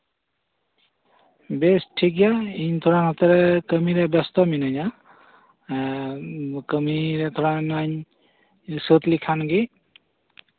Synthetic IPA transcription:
bɛstʰikjaint̪ʰɔɹanɔt̪ɛɾɛkəmiɾɛbɛst̪ɔminaɲa | kəmiɾɛt̪ʰɔɹanaɲ | sut̪likʰanɡi

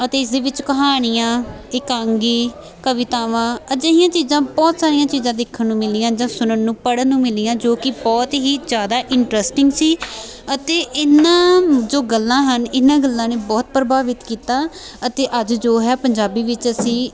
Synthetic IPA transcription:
ət̪eːɪsd̪eːʋɪt͡ʃkəɦaːɽ̃ɪjãː | ɪkãːŋɡiː | kəʋɪt̪aːʋãːəd͡ʒəijãːt͡ʃiːzãːbɔːt̪saːɾijãːt͡ʃiːzãːd̪ɪkʰːənːũːmɪlɪjãːd͡ʒãːsʊnənːũːpəɽənːũːmɪlɪːjãːd͡ʒoːkɪbɔːt̪ɦiːd͡ʒjaːd̪aːʔɪɳʈɾəsʈɪŋɡsiː | ət̪eːʔɪnãːd͡ʒoːɡəlːãːɦənɪnãːɡəlːãːneːbɔːt̪̚pɾəbaːʋɪt̪kiːt̪aːət̪eːʔəd͡ʒd͡ʒoːɦɛːpəɲd͡ʒaːbiːʋɪt͡ʃəsĩː

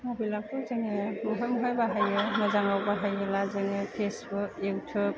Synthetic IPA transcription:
mɔbilak̚tɔzeŋemɔɦɔjmɔɦɔjbaɦajɯmɯzaŋawbaɦajɯlazeŋepʰesbɯkewtʰɯk̚

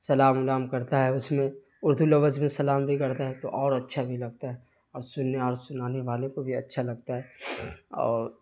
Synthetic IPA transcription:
sɐlaːmʊlaːmkɐɾt̪aɦɛʊsmẽ | ʊɾd̪ʱulɐʋəd͡ʒmẽsɐlaːmbʱikɐɾt̪aɦɛt̪oʔɔːɾɐtːʃʰabʱilɐɡ̚t̪aɦɛ | ɔːɾsʊnːeɔːɾsʊnaːneʋaːlẽkobʱiɐ̰tːʃʰalɐɡ̚t̪aɦɛːɔ̰ːɾ

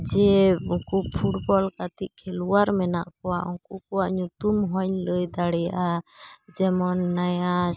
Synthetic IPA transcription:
d͡ʒɛkupʰuʈ̚bɔlkat̪iʔ̚kʰɛluwaɾmɛna̰ʔkɔwaʔɔŋkuk̚ɔwaʔɲut̪umɦɔɲləjd̪aɽɛjaʔad͡ʒɛmɔnːaja

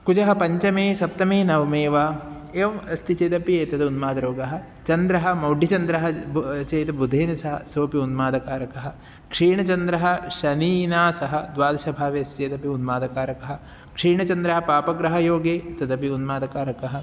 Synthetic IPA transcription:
kud͡ʒɐɦɐpɐɲt͡ʃɐmeːsɐp̚t̪ɐmeːnɐʋɐmeːʋaː | eːʋɐmɐst̪it͡ʃeːt̪ɐpieːt̪ɐd̪unmaːd̪ɐɾoːɡɐɦɐ̆ | t͡ʃɐnd̪ɾɐɦɐmɐwɖʱːit͡ʃɐnd̪ɾɐɦɐt͡ʃeːt̪ɐbud̪ʱeːnɐsɐɦɐsoːpiunmaːd̪ɐkaːɾɐkɐɦɐ̆ | kʂiːɳɐt͡ʃɐnd̪ɾɐɦɐʃɐniːnaːsɐɦɐd̪ʋaːd̪ɐʃɐbʱaːʋeɐst̪t͡ʃeːt̪ɐpiunmaːd̪ɐkaːɾɐkɐɦɐ̆ | kʂiːɳɐt͡ʃɐnd̪ɾɐɦɐpaːpɐɡɾɐɦɐjoːɡeːɐt̪ɐd̪ɐpiunmaːd̪ɐkaːɾɐkɐɦɐ̆

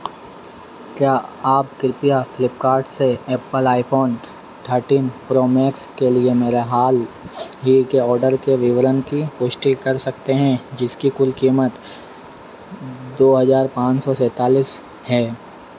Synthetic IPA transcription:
kjaːaːpkɪɾpijafɪlɪpkaːɾɖseɛːpəlaːɪpʰoːn | t̪ʰəɾʈiːnpɾoːmɛːkskeliemeːɾeɦaːl | ɦikeɔːɾɖəɾkeʋɪʋəɾənkipʊʃʈikɐɾsɐk̚t̪eɦɛ̃d͡ʒɪskikʊlkiːmət̪ | d̪oːɦɐzaːɾpãːt͡ʃsɔsɛːt̪aːliːs | hɛː

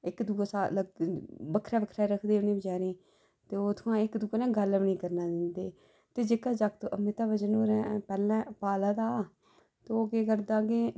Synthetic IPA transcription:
ɪkd̪uːsaːləɡbəkʰɾɛːbəkʰɾɛːɾəkʰd̪eːʊnĩːbəd͡ʒaːɾeː | t̪eːoːt̪ʰʊãːɪkd̪uːnɛ̃ːɡəlʋnĩːkəɾnaːd̪ɪnd̪eː | t̪eːd͡ʒekaːd͡ʒakt̪oʔəmɪt̪aːbəd͡ʒənoːɾɛ̃ːpɛːlɛ̃ːpaːlaːd̪aː | t̪eoːkeːkəɾd̪ãːɡeː

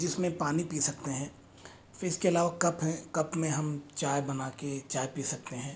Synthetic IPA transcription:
d͡ʒɪsmẽpaːnipiːsɐk̚t̪eɦɛ̃ː | ɪskeɐlaːʋakɐpɦɛ̃kɐpmẽɦɐmt͡ʃaːjbɐnaːket͡ʃaːjpiːsɐk̚t̪eɦɛ̃ː

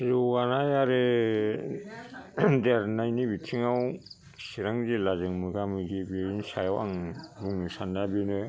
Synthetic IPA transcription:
zuwanajaɾe | deaɾnajnibitʰiŋaw | siɾaŋzilazɯŋmɯɡamɯɡibensajwa̰ŋɾuŋnisandabinɯ

